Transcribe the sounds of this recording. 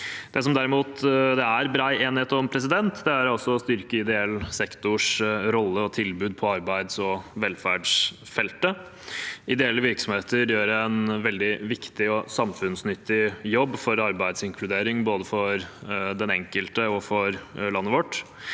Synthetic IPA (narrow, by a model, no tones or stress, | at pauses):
d̪̥ɛs̬ɔmd̪æɾɪmuːt̪d̪ɛæɾbɾɑːeːnɪheːt̪ɔmpʰɾɛs̬ɪd̪ɛnt̪d̪ɛæɾɑsːɔːst̪ʏɾkəɪd̪ɛɛlːsɛkt̪ʊʂɾɔlːəɔt̪ʰɪlbʉːd̪̚pʰɔɑɾbæɪd̪sɔʋɛlfæːɖʂ | fɛlt̪ə | ɪd̪ɛɛlːəʋɪɾksɔmheːt̪əɾjøːɾænʋɛld̪ɪʋɪkt̪ɪɔsɑmfʉnsnʏt̪ːɪjɔbːfɔɾɑɾbæɪd̪sɪŋkʰlʉd̪eːɾɪŋboːd̪əfɔɾd̪ɛnɛŋkəlt̪əɔfɔɾlɑnːəʋɔʈː